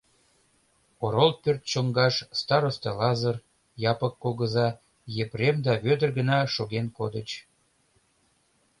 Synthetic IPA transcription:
oɾolpørt̪̚t͡ɕoŋɡɑʃst̪ɑɾost̪elɑzər | jɑpəkːoɣə̆zɑ | jepremd̪ɑβød̪ərɣə̆nɑʃoɣenkod̪ət͡ɕ

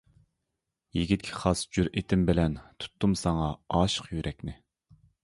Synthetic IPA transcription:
jiɡʲit̪̚kʲʰi̥χɑsd͡ʒuɾet̪ʰɪmbɪlɛnt̪ʰu̥t̪ʰːumsɑŋɑɑːʃə̥qjyɾʔɛkʲnɪ

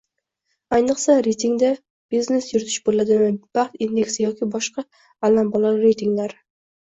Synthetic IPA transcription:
ajnɨqsaɾejt̪ʰiŋd̪a | b̥izne̞sjʊɾt̪ʰɪ̥ʃbolad̪ɪvab̥aχt̪ind̪e̞ksɪjɒkʲʰɪbɒʃqɑ | alambɒlˠaɾɾe̞jt̪ʰɪŋlaɾ

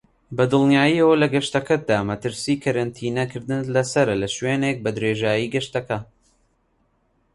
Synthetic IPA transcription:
bɐd̪ɨlˠnijaːjiːɐwɐlɐɡɐʃt̪ɐkʰɐd̪aːmɐt̪ɨɾsiːkʰɐɾɐnt̪ʰiːnɐkʰɨɾd̪ɨnlɐsɐɾɐlɐʃweːnek̚bɐd̪ɾeːʒaːjiːɡɐʃt̪ɐkɐ

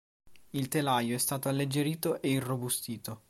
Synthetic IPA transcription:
ilt̪elajoɛst̪aːt̪oalːed͡ʒːeɾiːt̪oʔeirobust̪iːt̪o

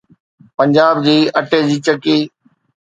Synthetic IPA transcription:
pə̃ɲd͡ʑaːbd͡ʑiːɐʈeːd͡ʑiːt͡ɕəkiː

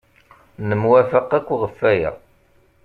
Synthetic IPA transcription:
nəmwæfəqːækʷːʁəfːæjæ̰

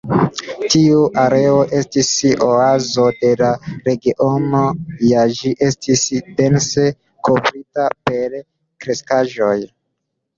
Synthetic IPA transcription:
tiuʔaɾe̞o̞ʔe̞stisoazo̞de̞laɾe̞ɡiʔo̞no̞jad͡ʒiʔe̞stisde̞nse̞ | kʰovɾitape̞ɾ | kɾe̞skaʒo̞j

